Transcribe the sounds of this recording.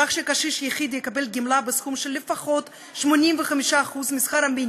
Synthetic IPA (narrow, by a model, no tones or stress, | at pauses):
aχʃekaʃiʃjeχid̪jekabe̞lɡimlabesχumʃelːefaχo̞t̪ | ʃmo̞nimveχamiʃaːχuzmisχaɾhamin